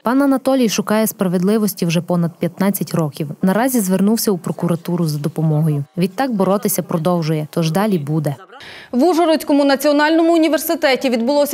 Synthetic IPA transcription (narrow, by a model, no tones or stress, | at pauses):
pɑnɐnɐt̪ɔlʲijʃʊkɑjɛspɾɐʋe̞d̪lˠɪʋɔsʲtʲiwʒɛpɔnɐd̪̚pʲjɐt̪nɑt͡sʲːɐtʲɾɔkʲiwnɐɾɑzʲizʋernuwsʲɐupɾɔkʊɾɐt̪uɾʊzɐd̪ɔpɔmɔɦɔjʊʋʲit̪ːɑɡ̚bɔɾɔt̪ɪsʲɐpɾɔd̪ɔwʒʊjɛt̪ɔʒd̪ɑlʲibud̪ɛ | ʋuʒɔɾɔt͡sʲkɔmʊnɐt͡sʲiɔnɑlʲnɔmʊʊnʲiʋersɪt̪ɛtʲiʋʲid̪bʊlˠɔsʲ